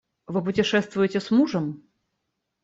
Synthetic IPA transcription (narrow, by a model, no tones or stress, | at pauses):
vɨp̬ʊtʲɪʂɛst̪vʊjɪtʲɪsmuʐəm